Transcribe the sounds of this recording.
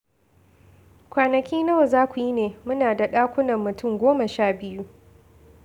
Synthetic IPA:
kʷaː˨nɐ˨kʲiː˦nɐ˦wa˨zaː˦kʷu˨ji˦neː˨mʊ˦naː˨da˨ɗaː˦kʷʊ˦nɐ˨mːʊ˨tʊ˦˨ŋɡʷoː˦mɐ˨ʃaː˦˨bɪ˦ju˦

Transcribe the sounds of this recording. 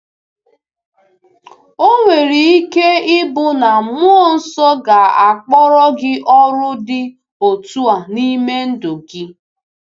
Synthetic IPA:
o˦ŋʷe˨ɾi˨i˦ke˦ɪ˦bʊ˦na˨mʊ˦ɔ˦˨n̩˦sɔ˦ɡa˨a˨k͡pɔ˦ɾɔ˦ɡɪ˦ʔɔ˦ɾʊ˦dɪ˦ | o˨tu˦a˨ni˦me˦n̩˦do˨ɡɪ˦

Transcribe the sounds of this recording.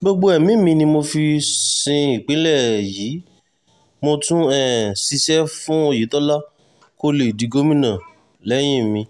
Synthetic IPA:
ɡ͡bo˧ɡ͡bo˧˦ɛ˨mĩ˦mĩ˧nĩ˧mo˧fi˧sĩ˧i˨k͡pe˨˦lɛ˦˨ji˨˦ | mo˧tũ˦ɛ˦˨si˧ʃɛ˦fũ˦o˧˨ji˨˦tɔ˦la˦ | ko˦le˨i˨di˨˧˦ɡo˦mĩ˦nã˦˨ | lɛ˨˦j̃ĩ˦˨mĩ˧

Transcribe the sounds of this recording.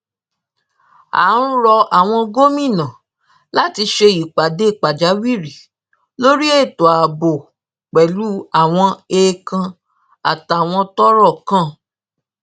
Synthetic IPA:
a̰˨˦ɾũ˦ɾɔ˧a˨w̃ɔ̃˧ɡo˦mĩ˦˨nã˨ | la˦ti˧ʃe˧i˨k͡pa˨de˨˦i˦˨k͡pa˨d͡ʒa˨˦wi˦˨ɾi˨ | lo˦ɾi˦e˦˨to˨a˨bo˨ | k͡pɛ˨lu˨˦a˦˨w̃ɔ̃˧e˧kã˧ | a˨ta˨w̃ɔ̃˧tɔ˦ɾɔ˦˨kã˦˨

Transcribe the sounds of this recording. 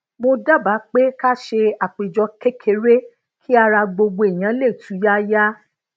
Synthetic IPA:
mo˧da˦˨ba˨˦k͡pe˦ka˦ʃe˧a˨k͡pe˨d͡ʒɔ˧˦ke˦kʰe˧˦ɾe˦ | kʰi˦a˧ɾa˧ɡ͡bo˧ɡ͡bo˧e˨j̃ã˨˦le˦˨tʰũ˨˦ja˦ja˦

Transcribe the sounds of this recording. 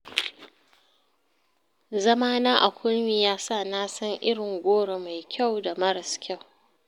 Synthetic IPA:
zɐ˦maː˦naː˦ʔa˨kʷʰʊ˦lmiː˨jaː˦sa˦˨naː˦sɐ˦ŋʔɪ˦ɽɪ˨ŋɡʷoː˦ɽe˨ma˨jkʲʰa˦˨wda˨mɐ˦ɽɐ˨skʲa˦˨w

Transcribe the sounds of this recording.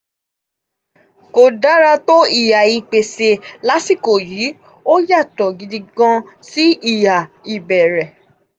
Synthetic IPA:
ko˧˨da˨˦ɾa˧to˦i˦˨ja˨i˨k͡pe˨se˧la˦si˦˨ko˨ji˨˦ | o˦ja˦˨tɔ˨ɡi˨˧di˧ɡã˧ | si˦i˦˨ja˨i˨bɛ˨ɾɛ˨

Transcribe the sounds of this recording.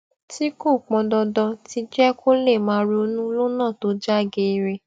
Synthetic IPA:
ti˨˦ko˦˨k͡pɔ̃˧dɔ˧dɔ˧ti˧d͡ʒɛ˦kʰo˦le˦˨mãː˨˦ɾe˧o˧nũ˦lo˦nã˦˨to˨˦d͡ʒa˦˨ɡe˧ɾe˧

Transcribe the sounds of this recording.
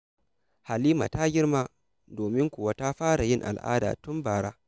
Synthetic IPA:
ha˨liː˦ma̰˨ta˦ɡʲɪ˦rmaː˦ | doː˨mɪ˦ŋkʷʊ˨wa˦ta˦ɸaː˦ɽa˨jɪ˦ŋʔa̰˨lʔa̰ː˦da̰ː˨tʊ˦mbaː˨ɽaː˦

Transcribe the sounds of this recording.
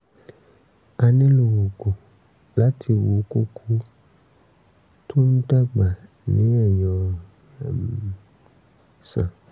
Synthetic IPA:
a˧nẽ˦lu˨wo˨ko˨ | la˨˦tʰi˧wo˨˦ko˦kʰu˦ | tʰo˦n̩˦ta˦ɡ͡ba˨ | nĩ˨˦ɛ˦˨jɔ̃˨ | sã̰˨

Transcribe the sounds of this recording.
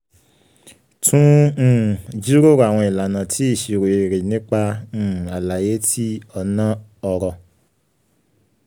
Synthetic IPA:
tʰũ˦˨ | d͡ʒi˦ɾo˦˨ɾo˧˦a˨w̃ɔ̃˧i˨la˨nã˨tʰi˨˦i˦˨ʃi˧ɾo˨e˨ɾe˨nĩ˦k͡pã˧˦˨a˨la˨je˨˦tʰi˦ɔ˧nã˦ɔ˧ɾɔ˧

